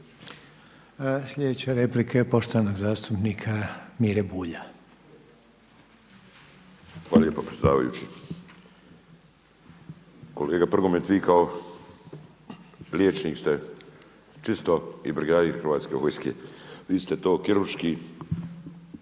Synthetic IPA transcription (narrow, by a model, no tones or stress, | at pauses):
sʎʲed̪et͡ɕeɾeplikʰepo̞ʃt̪oʋanoɡzaːst̪upnikʰamiːɾebuːʎa | xʋaːlalʎjepapɾesʲjed̪a̰ːʋa̰jṵt͡ɕi | koleːɡapr̩ɡomet̪ʋiːkao | ljet͡ʃniːkst̪e | t͡ʃist̪oḭbɾiɡaːd̪iːɾxərʋaːt̪skeʋojskḛʋiːst̪e̞t̪o̞ːkiɾuɾʃkiː